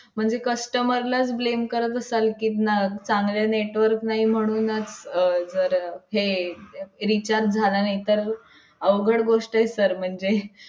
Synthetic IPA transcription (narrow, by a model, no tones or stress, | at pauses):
m̤əɳd͡zekəsʈəməɾlat͡sblemkəɾət̪əsalkiːt̪nat͡saŋɡljaneʈʋəɾknaɦim̤əɽ̃uːnət͡sd͡zəɾhe | ɾit͡ɕaɾt̪̚d͡zʱalanait̪əɾ | əʋɡʱəɽɡoʂʈajsəɾm̤əɳd͡ze